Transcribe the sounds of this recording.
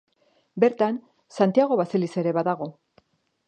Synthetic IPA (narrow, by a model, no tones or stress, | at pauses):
be̞ɾt̪an | sant̪iaɣ̞o̞βaselise̞ɾe̞βaðaɣ̞o̞